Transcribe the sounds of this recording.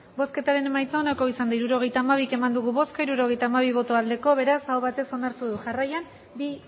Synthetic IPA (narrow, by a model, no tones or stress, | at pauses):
bo̞ske̞t̪aɾe̞nemajt͡saonako̞isand̪aiɾuɾo̞ɣ̞e̞jt̪aːmaβ̞ike̞mand̪uɣ̞uβo̞skaiɾuɾo̞ɣ̞e̞jt̪aːmaβ̞iβ̞o̞t̪o̞ald̪e̞ko̞βe̞ɾasawβat̪e̞so̞naɾt̪uðuʝarajan | bi